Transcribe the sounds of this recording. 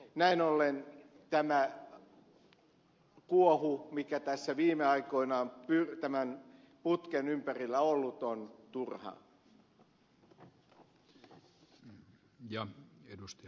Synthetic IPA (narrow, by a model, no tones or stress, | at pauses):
næinolːen | t̪æmæ | kuohumikæt̪æsːæʋiːmeɑikoinɑompyrt̪æmæn | put̪kenympærilːæolːut̪ont̪urhɑ̰ | jɑedust̪ɑ